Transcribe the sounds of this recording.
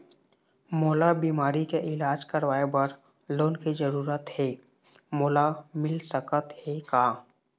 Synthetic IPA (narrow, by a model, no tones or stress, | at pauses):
moːlabiːmaːɾikeʔɪlaːd͡ʒkəɾʋaːebəɾ | loːnkizəɾuːɾət̪heː | moːlamɪlsəkət̪hekaː